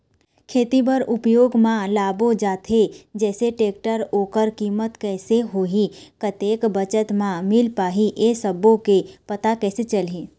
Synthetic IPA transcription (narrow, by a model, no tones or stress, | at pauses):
kʰeːt̪ibəɾʊpjoːɡmãlaːbod͡ʒaːt̪ʰed͡ʒɛːseʈeːk̚ʈəɾoːkəɾkiːmət̪kɛːseɦoːɦikət̪eːkbət͡ʃət̪mãmɪlpaːɦiʔesəbõkepɐt̪akɛːset͡ʃəli